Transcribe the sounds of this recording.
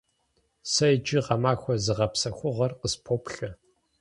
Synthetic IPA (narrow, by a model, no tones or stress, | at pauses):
sɐjd͡ʒɪʁɐmaːxʷɔzɨʁɐpsɐxʷʊʁɐrqəspʰopɬɐ